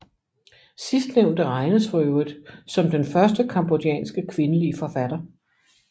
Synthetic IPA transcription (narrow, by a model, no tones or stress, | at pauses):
sisd̥neʊnd̥əʁɑ̈ɪnəsœʊð̩ˠsɒ̽md̥enfɶɐsd̥əkʰɑ̈mb̥odiɛ̰ːnsɡ̥əkʰʋe̝nəliəfɒ̽fæd̥ɐ